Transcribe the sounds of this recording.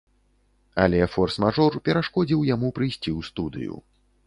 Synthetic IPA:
alʲɛfɔrsmaʐɔrpʲɛɾaʂkɔd͡zʲiwjamupɾɨjsʲt͡sʲiwst̪ud̪ɨ̰jṵ

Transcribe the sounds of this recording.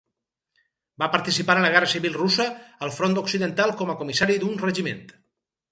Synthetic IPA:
bapəɾt̪isipaɾənləɣɛrəsiβilˠrusəːlˠfɾond̪uksiðənt̪alˠkɔməkumisaɾiðunrəʒimḛnt̪

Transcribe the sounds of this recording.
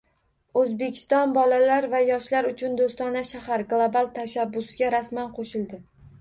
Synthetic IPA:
ozbekʲʰɪ̥st̪ɒnbɒlalaɾvajɒʃlaɾʊt͡ʃʰʊnd̪ost̪ɒnaʃahaɾɡlˠobalˠt̪ʰaʃabːʊsɪɡʲaɾasmanqʰoʃɪlˠd̪ɪ

